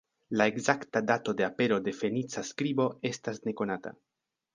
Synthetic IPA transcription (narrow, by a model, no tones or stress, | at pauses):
lae̞ɡzaktadato̞de̞ape̞ɾo̞de̞fe̞nit͡saskɾibo̞e̞stasne̞ko̞nata̰